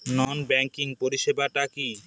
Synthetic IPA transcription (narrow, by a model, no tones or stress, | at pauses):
nɔnbɛŋkiŋpoɾiʃebaʈaki